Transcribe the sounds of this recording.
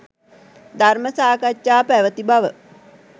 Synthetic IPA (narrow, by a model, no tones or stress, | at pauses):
d̪arməsaːkat͡ʃːaːpæʋət̪ibaʋə